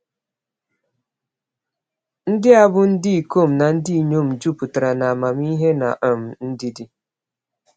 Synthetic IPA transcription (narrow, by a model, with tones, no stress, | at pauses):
n̩˦dɪ˦a˨bʊ˦n̩˦dɪ˦i˨ko˦˨m̩˨na˨n̩˦di˦i˨ɲo˦˨m̩˨d͡ʒu˦pʊ˨ta˨ɾa˨na˨ma˨m˦i˦ɦe˦na̰˨ʔa˨m̩˨n̩˦dɪ˦dɪ˦